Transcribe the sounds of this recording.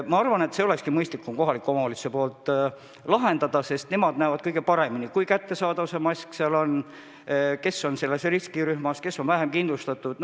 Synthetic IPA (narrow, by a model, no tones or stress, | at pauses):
mɑɑrvɑne̞t̪se̞oe̞kskimɤjst̪likːˑumko̞ɦɑlikːˑomɑoːlisepo̞ːlt̪ːˑ | lɑɦe̞nd̪ɑd̪̥ɑse̞st̪ne̞mɑd̪næːvɑd̪̥̚kɤjɡ̥e̞pɑɾe̞minikujkæt̪ːe̞sɑːd̪ɑvusemɑsʲkseɑlo̞n | ke̞sːo̞nse̞lːe̞sriskiɾyhmɑske̞sːo̞nvæɦe̞mkind̪lust̪ɑt̪ːˑud̪̥n